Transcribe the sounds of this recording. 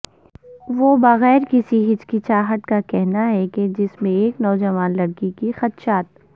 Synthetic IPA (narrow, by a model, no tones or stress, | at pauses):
ʋobɐɣɛːɾkɪsiɦɪt͡ʃkit͡ʃaːɦəʈ̪kakɛɦnaɦɛked͡ʒɪsmẽeːknɔːd͡ʒɐʋaːnlɐɽkikixɐt̪ʃaːt̪̚